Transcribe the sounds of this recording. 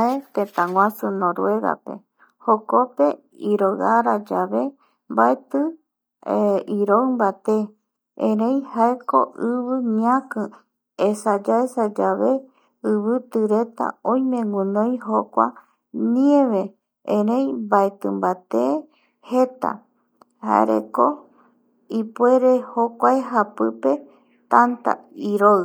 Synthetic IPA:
e̞t̪ẽt̪ãŋwʷãsunõɾwe̞ɡa̰pe̞̰ | hokope̞ | iɾoɣaɾad͡ʒaβe | mbaet̪ɨ | iɾoɨmbat̪e | ẽɾẽj̃haekoʔɨβɨɲãkɨ̃ | esad͡ʒaesad͡ʒaβe | ɨβɨt̪ɨɾet̪a̰õj̃mẽŋɡũnõj̃ɦokʷa̰ | niẽʋe̞ | ẽɾẽjbaet̪ɨmbat̪e | he̞t̪a̰ | ha̰ḛɾḛko | ipue̞ɾe̞hokʷaeɦapɨpe̞ | t̪ant̪a̰iɾo

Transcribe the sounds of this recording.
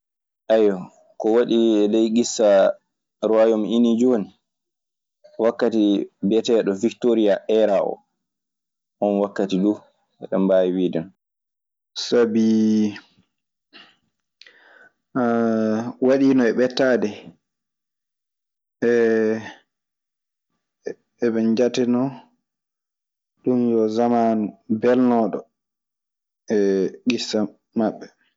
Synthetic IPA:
ʔajːɔ | kɔwaɗiɛlejɡisːa | ɾɔajɔminid͡ʒoːni | wakːatibɛtɛɗɔviktoɾijaʔɛɾaʔɔ̰ | ʔɔnwakːatidu | ɛɗɛmbajiwidɛn | sabi | waɗiːnɔɛɓɛtːaːdɛ | ɛɓɛnd͡ʒatɛnɔ | ɗumjɔzamanubɛlnɔːɗɔ | ɛɡisːa | maɓːɛ

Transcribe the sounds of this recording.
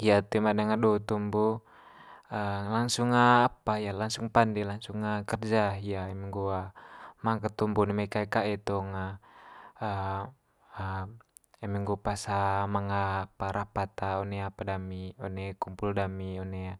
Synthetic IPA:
ijat̪imadaŋadɔt̪umbu | əlaŋsuŋːaːpajalaŋsuŋpandɛlaŋsuŋːakərd͡ʒaijaɛmiŋɡuamaŋkat̪umbunemakaikaɛt̪ɔŋa | ə | ə | ɛmiŋɡupasamaŋapaɾapat̪aɔnɛapadamiɔnɛkumpuldamiɔnɛa

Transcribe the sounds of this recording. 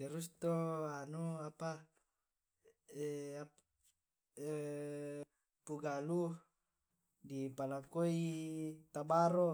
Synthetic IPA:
deɾust̪oanuapa | a | puɡalu | dipalakoit̪abaɾo

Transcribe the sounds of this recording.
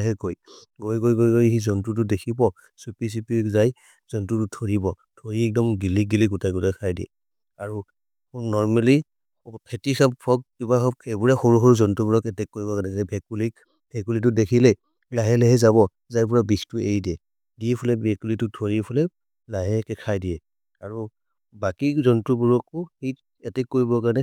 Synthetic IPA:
ɦɛɡojɡojɡojɡojɡojizɔntɹut̬udekʰibɔ | supis̬ipizaj | zɔntɹututʰoɹibɔ | tʰoɹiɛk̚dɔmɡiliɡiliɡutajɡutajkʰajdiɛ̰ | aɹu | nɔɹmali | pʰɛtixʰappʰɔk̚kibaɔebuɹaxɔɹuxɔɹuzɔntubuɹɔkɛtɛkːoɹibɔkanɛɛbɛkuli | bʱɛkulit̬ʊdekʰilɛ | laɦɛlɛɦɛzaβɔ | zajpuɹabistueidiɛ | diɛpʰɔlɛbɛkulitʊtʰoɹipʰɔlɛ | laɦɛkɛkʰajdijɛ | aɹu | bakizɔntɹubuɹɔkʊxi | ɛtɛkːoɹibɔkaɹnɛ

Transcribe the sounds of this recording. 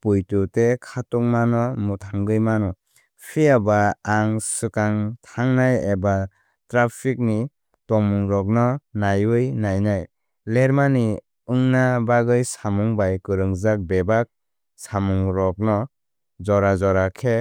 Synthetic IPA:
pujtutekʰatɔŋmanɔmutʰaŋɡɯjmanɔ | pʰiabaːŋsɯkaŋtʰaŋnajeba | tɾapʰik̚ni | tɔmuŋɾɔk̚nɔnajɯjnajnaj | leɾmani | ɯŋnabaɡɯjsamuŋbajkɯɾɯŋzak̚bebak̚ | samuŋɾɔk̚nɔ | zɔɾazɔɾakʰe

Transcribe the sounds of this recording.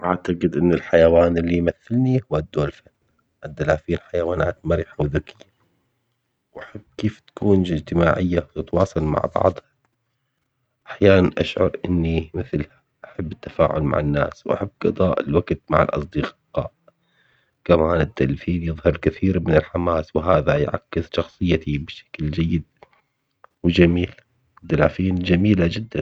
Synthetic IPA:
ʔaʕt̪aqɪd̪ʔɪnːɪlħajawaːnɪlːijmaθːalnihʊwːad̪ːuːlfanː | ʔad̪ːalaːfiːnħajawaːnaːt̪maɾiħawðʊkɪjːa | wʔaħabːkeːft̪ḁkuːnɪd͡ʒt̪ɪmaːʕɪjːat̪ɪt̪wɑːsˤɑlma̰ʕbɑ̰ʕd̪ˤhɑ | ʔaħjaːnanʔaʃʕʊ̰ɾʔɪnːimɪθlha | ʔaħabːɪt̪ːḁfa̰ːʕʊ̰lma̰ʕɪnːa̰ːswʔa̰ħabːɡɑd̪ˤɑːʔɪ̰lwaɡt̪ma̰ʕɪ̰lʔɑ̰sˤd̪iqqɑ̰ːʔ | kamaːnɪt̪ːalfiːnjɨðˤhɑɾˤkɪθiːɾmɪnɪlħamaːswɪɦaːðajʕa̰kːɪsʃɑxsˤɨjːat̪ibʃḁkld͡ʒajːɪd̪̚ | wɪd͡ʒamiːl | ɪd̪ːalaːfiːnd͡ʒamiːlad͡ʒɪd̪ːan

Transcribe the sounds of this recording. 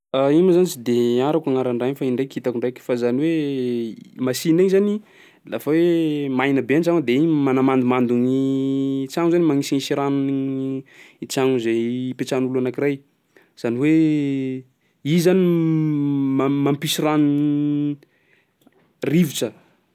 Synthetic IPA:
aimazanit͡ʃid̪eaɾakaŋaɾaɳɖ͡ʐajfaiɳɖ͡ʐajkit̪akuɳɖ͡ʐajkʲfazaniwe | masinaɲzani | lafawemajnəbeant͡ʃaŋd̪eimanamand̪umand̪uŋit͡ʃaŋzanimaŋisiisiɾanniit͡ʃaŋuzejpet͡ʃanulanakiraj | z̥aniwe | izani | mmampisirani | riviʈ͡ʂə

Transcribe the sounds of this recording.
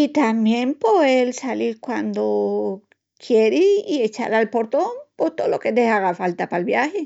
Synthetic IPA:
it̪ambjempoelsaliɾkwand̪o | kʰjeɾiiet͡ʃa̰ɾalpoɾt̪ompost̪oðoloked̪ehaɣafalt̪apalbjaxe

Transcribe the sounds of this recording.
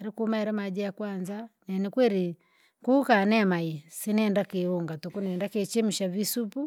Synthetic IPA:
ɛɾikumaɛɾɛmad͡ʒɛjakwanzanɛnikwɛɾi | kukanɛmaisinɛndakeuŋɡatukunɛndaket͡ʃem̩ʃaβisupu

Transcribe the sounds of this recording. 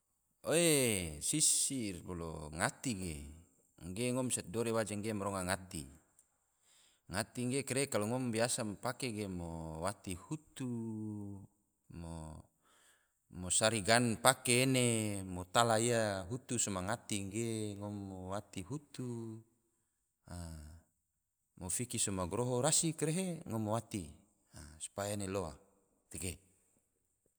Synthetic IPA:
oesisirbolo̰ŋat̪iɡe | ŋɡeŋɔmsɛt̪̚doɾewad͡ʒaŋɡemoɾɔŋaŋat̪ḭ | ŋat̪iŋɡekeɾekaluŋɔmbiasampakeɡemowat̪ihut̪u | mo | mosaɾiɡanpakeːnemot̪alaijaɦut̪usomaŋat̪iŋɡeŋomːowat̪iɦut̪u | a | mofikisomaɡoɾoɦoɾasikɾeɦeŋomowat̪i | asu̥pajaeneloa̰ | t̪eɡe

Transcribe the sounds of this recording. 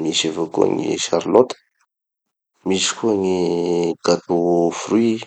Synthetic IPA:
misavakṵa̰ŋḭʃaɾlot̪ə̥ | misi̥kuaŋiɡ̥at̪ofri

